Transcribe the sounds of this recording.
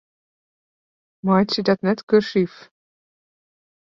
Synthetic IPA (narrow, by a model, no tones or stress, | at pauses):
mɑːtsədɑtnɛtkørsif